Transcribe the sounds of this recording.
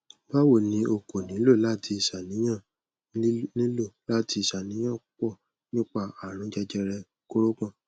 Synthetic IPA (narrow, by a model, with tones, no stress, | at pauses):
ba˦wo˦˨nĩ˧˦o˧ko˨nĩ˨˦lo˦˨la˦ti˧i˨ʃa˨nĩ˨˦j̃ã˦˨˦ | nĩ˦lo˦˨la˦ti˧i˨ʃa˨nĩ˨˦ã˦˨˦k͡pɔ˦˨ | nĩ˦k͡pa˦˨a˨ɾ̃ũ˨˦d͡ʒɛ˧d͡ʒɛ˧ɾɛ˧ | ko˦ɾo˦kã˦˨